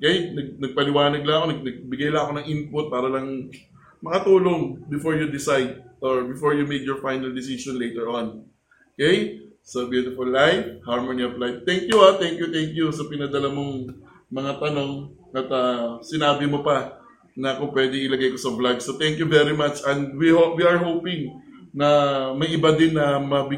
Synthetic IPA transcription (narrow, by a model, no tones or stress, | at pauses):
ʔokɛjnɐɡ̚nɐɡ̚pɐlɪwaːnɐɡ̚lɐŋɐko̞nɐɡ̚nɐɡ̚bɪɡajlɐɐko̞nɐŋʔɪnpʊt̪̚paːɾɐlɐŋ | mɐkɐt̪uːlo̞ŋbɪfoɹjud̪ɪsajd̪̚ʔoɹbɪfoɹjumejk̪jɔɹfajnɐld̪ɪsisonlejt̪ɛɹʔõn | okɛj | sɐbjuːt̪ɪfʊlːajfhaɹmoniɐplaj̚t̪ɛŋkjuat̪ɛŋkjut̪ɛŋkjusɐpɪnɐd̪ɐlɐmoŋ | mɐŋat̪ɐno̞ŋ | ʔɐt̪ɐsɪnaːbɪmopɐ | nɐkʊŋpwɛd̪ɛŋɪlɐɡajko̞sɐblaɡsot̪ɛŋkjuvɛɹɪmat͡ʃʔɛnd̪̚wihowiɐɹɦowpɪŋnɐmɐjʔɪbad̪ɪnːɐmɐbɪ